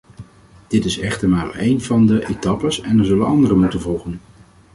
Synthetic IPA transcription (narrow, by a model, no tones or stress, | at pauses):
d̥ɪtɪsɛχtəɹmaːɹejnvɑndəʔetɑpəsɛnəɹzɵlənɑndərəmutənvɔlˠχən